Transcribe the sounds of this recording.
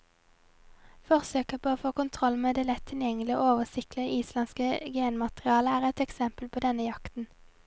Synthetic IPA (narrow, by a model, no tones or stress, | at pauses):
fɔʁsøːkəpʰoːoːfoːkʊnt̪ʰʁɔlmeːd̪eːlɛt̪ʰːɪljɛŋlɪo̰ːoːʋəsɪkləiːslɑnskəɡeːnmɑt̪ʁɪɑːləæːʁɛt̪ɛksɛmpəlpʰoːd̪ɛnəjɑkt̪n̩